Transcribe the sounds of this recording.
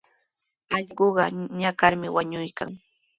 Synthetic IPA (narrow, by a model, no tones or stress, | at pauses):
ɑʎɢoɢɑɲakaɾmɪwaɲʊjka̰ŋ